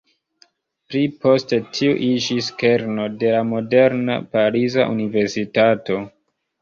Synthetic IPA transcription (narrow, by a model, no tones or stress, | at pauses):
pɾipo̞ste̞tʰiuʔid͡ʒiske̞ɾno̞de̞lamo̞de̞ɾna̰paɾizaʔunive̞ɾsitato̞